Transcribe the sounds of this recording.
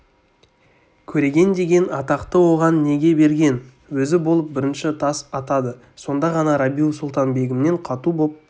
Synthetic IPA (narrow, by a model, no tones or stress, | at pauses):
kʲʰɵɾe̞ɡʲe̞nd̪e̞ɡʲe̞nɑt̪ɑqt̪əwo̞ʁɑnːe̞ɡʲe̞be̞ɾɡʲe̞n | wɵzɪbo̞lˠəp̚bɪɾɪnʃɪt̪ʰɑsɑt̪ɑd̪ə | so̞nd̪ɑʁɑnɑɾabijusulˠt̪ɑnbe̞ɡʲɪmne̞ɴqʰɑt̪ubo̞p̚